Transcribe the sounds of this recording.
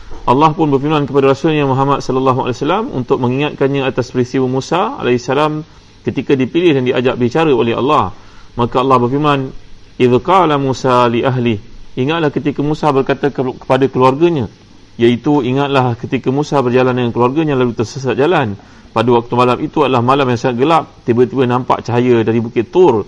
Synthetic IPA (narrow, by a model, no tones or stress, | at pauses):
ʔɑlːɑhpʊnbərfirmãnkəpadaɾasʊlɲamuɦamat̪̚sɔləlːaɦuʔa̰lasalamṵnt̪ʊk̚mə̃ŋiŋat̪̚kanɲãat̪aspɾist̪iwəmũsaa̰laisːalam | kət̪ikadipilɪhdandia̰d͡ʒaʔ̚bəit͡ʃaɾəolɛɦɑ̰lːɑh | makaɑlːɑhbərfirmãnɪðkalamũsaliʔaɦlɪhiŋat̪lahkət̪ikəmũsabərkat̪akə̥padakəluarɡəɲã | jait̪uiŋat̪̚lahkət̪ikəmũsabərd͡ʒalandəŋankəluarɡəɲãlalut̪ərsəs̬at̪̚d͡ʒalan | padəwak̚t̪umalamit̪uadəlahmalamjaŋsaŋat̪̚ɡəlap̚t̪ibət̪ibənãmpa̰ʔt͡ʃaɦajədaɾibukɪt̪ːʊr